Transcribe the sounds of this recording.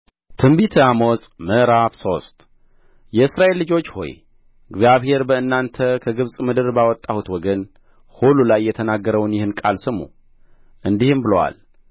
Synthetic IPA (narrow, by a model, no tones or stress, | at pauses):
t̪ʰɨmbit̪ʰamosʼməʔɾafso̞st̪ | jɛɨsɾaʔelːɨd͡ʒo̞t͡ʃːho̞̰j | ɨɡzjaβhe̞ɾbəɨnːant̪ʰəkʰəɡɨβsʼmɨd̪ɨɾbawɔt̪ʼːahut̪wɔɡən | hululajːɛt̪ʰənaɡːəɾəwnjɪhɨnkʼalsɨmːṵ | ʔɨnd̪ihɨmbɨləwa̰l